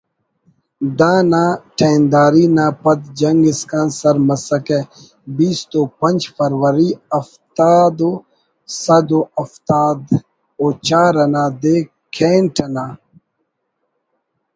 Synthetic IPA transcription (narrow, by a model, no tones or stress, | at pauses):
d̪aːnaːʈʰeːnd̪aːɾiːnaːpɐt̪d͡ʒɐŋɡiskansɐɾmɐsɐke | biːst̪oːpɐnʲd͡ʒfɐɾwɐɾiɐft̪aːd̪o | sɐd̪oɐft̪aːd̪ | oːt͡ʃaːɾɐnaːd̪eː | kʰeːnʈʰɐnaː